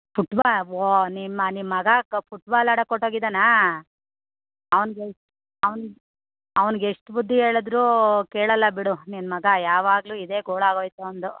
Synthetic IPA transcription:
puʈbaonimːɐnimːɐɡɐpuʈbaːlaːɽɐkoʈːoːɡid̪anaː | ɐʋɐnɡe | ɐʋɐn | ɐʋɐnɡeʂʈubud̪ʱːie̞ːɭɐd̪ɾuːkeːɭɐlːɐbiɽuninmɐɡɐjaːʋaːɡluːid̪e̞ːɡoːɭaːɡoːjt̪uɐnd̪u

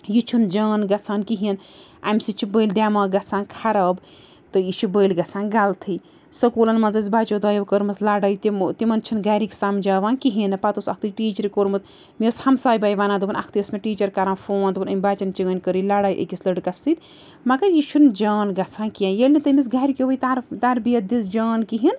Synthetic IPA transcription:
jit͡ʃʰund͡ʒaːnɡɐt͡sʰaːnkiɦinʔa̰msit͡ʃʰibəjld̪ʲaːmaːɡɐt͡sʰãːnkʰaɾɐb | t̪ɨjiʃubəːjlɡɐt͡sʰãːnɡalt̪ʰɨj | sɐkulɐnmɐnzɐz̬baːt͡ʃod̪aːjɐbkəɾmɐslaːɽajt̪imt̪imɐnt͡ʃʰinɡaːɾiksaːmd͡ʒaːʋaːnkiɦinɐpat̪usɐk̚ʰt̪iʈiːt͡ʃɐɾikoɾmɐt̪ | mishɐmsaːjbaːjʋaːnaːd̪ubɐnʔɐ̰kʰt̪iɐsmeʈiːt͡ʃɐɾkaɾãːnfʰoːnd̪ubɐnɐmʲbaːt͡ʃɐnt͡ʃiɡɐnʲkəɾilaːɽaːjʔə̰kislɐɖkɐsit̪ | mɐɡɐɾjiːʃund͡ʒaːnɡɐt͡sʰãːnkijãjelʲnit̪ɐmʲis̬ɡaːɾikʲeʋəjt̪aɾt̪aɾbijɐt̪̚d̪isd͡ʒaːnkiɦin

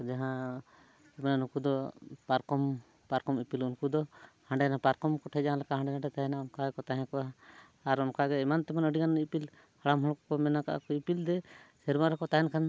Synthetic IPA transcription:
d͡ʒaɦã | ɛmɛnanũkud̪ɔpaɾkɔm | paɾkɔmipilunkud̪ɔhãɳɖɛnapaɾkɔmkɔʈʰɛd͡ʒaɦãlakaɦãɳɖɛnaʈɛt̪aɦɛnaɔmkaɡɛkɔt̪aɦɛ̃kɔʔa | aɾɔmkaɡɛɛmant̪ɛmanəɖikanipil | haɽamɦɔ̃kɔkɔmɛnaka̰ʔa̰kɔipild̪ɛsɛɾmaɾɔkɔt̪aɦɛnkʰan

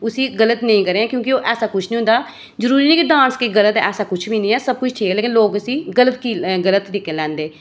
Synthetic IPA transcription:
ʊsĩːɡələt̪nəĩːkəɾeːãːkjõːkɪoːʔɛːsaːkʊt͡ʃʰnĩːʊ̃nd̪aː | zəɾuːɾiːnɛ̃ːkiɖãːnskiɡələt̪ɛ̰ːsaːkʊt͡ʃʰbiːnĩːɛːsəb̚kʊt͡ʃʰʈʰiːleːkɪnloːkəsĩːɡələt̪kiːɡələt̪ːɾikːeːlɛ̃ːnd̪eː

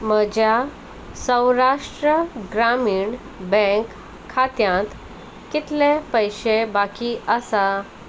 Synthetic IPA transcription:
məd͡ʑja | sə̃wɾaʂʈɾəɡɾamiːɳ | bɛ̃kʰː | at̪jãt̪ | kit̪lepəjɕebakiəsa

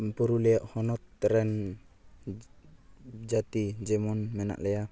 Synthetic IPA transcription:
pɔɾulɛjaʔhɔnɔt̪̚ːɾɛn | d͡ʒat̪id͡ʒɛmɔnmɛna̰ʔlɛja

